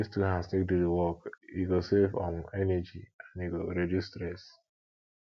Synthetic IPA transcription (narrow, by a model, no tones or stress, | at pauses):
istuɦãnstek̚dudewɔkiɡosevɔ̰̃mɛnɛd͡ʒiãniɡoɾedjustɹɛs